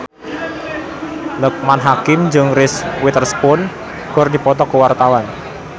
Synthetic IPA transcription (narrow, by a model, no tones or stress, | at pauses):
lək̚manɦakɪmd͡ʒɨŋrɪswɪt̪ərsə̥pʊn | ɡ̥ɔrdipɔt̪̬ɔkəwart̪awan